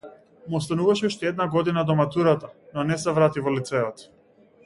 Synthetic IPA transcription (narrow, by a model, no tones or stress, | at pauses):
muɔst̪anuvaʃɛuʃt̪ɛɛd̪naɡɔd̪inad̪ɔmat̪uɾat̪anɔnɛsɛvɾat̪ivɔlit̪sɛɔt̪